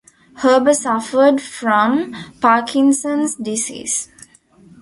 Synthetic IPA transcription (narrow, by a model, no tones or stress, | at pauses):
həːbəsʌfəɖfɾɔ̃mpaːkʰĩnsə̃nsdisḭːs